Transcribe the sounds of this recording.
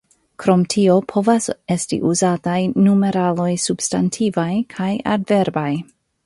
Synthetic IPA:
kɾo̞mtʰio̞pʰo̞vase̞stḭʔuzatajnume̞ɾalo̞jsub̥stantʰivajkʰaja̰dve̞ɾbaj

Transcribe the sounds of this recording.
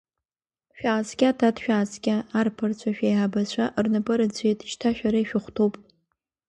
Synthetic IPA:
ʃᶣaːzɡʲatʰadʃᶣaːzɡʲaːrpʰɨrt͡ɕʷʰaʃᶣejʕabat͡ɕʷʰaʔrnɨbʼɨɾɨd͡ʑʷejtʼiʃtʰaʃᶣaɾaiʃᶣʊχʷtʰowpʼ

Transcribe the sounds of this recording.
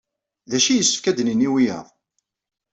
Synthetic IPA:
ðæʃijəsːəfkæd̪niniwijæ̰ðˤ

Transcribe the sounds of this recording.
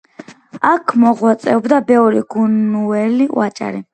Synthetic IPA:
akʰmɔʁwat̪sʼɛɔbd̪abɛvɾiɡunuɛliwat͡ʃʼa̰ɾi

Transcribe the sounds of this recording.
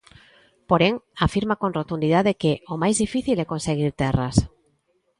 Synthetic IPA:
poɾeŋafiɾmakonrot̪und̪iðaðekeomajzðifiθilɛkonseɣ̞iɾt̪ɛras

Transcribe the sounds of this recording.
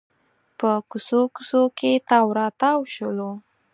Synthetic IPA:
pəkusokusoket̪awɾɑt̪awʃəlo

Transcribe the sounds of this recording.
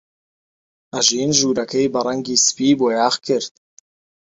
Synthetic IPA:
aʒiːnʒuːɾakʰejbɑɾɑŋɡʲiːspiːbojaːχkʲʰɪɾt̪̚

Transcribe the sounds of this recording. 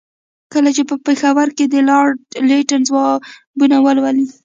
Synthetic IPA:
kəlat͡ʃepəpexawaɾked̪əlɑɾleʈanzwɑ | bunawəlwəli

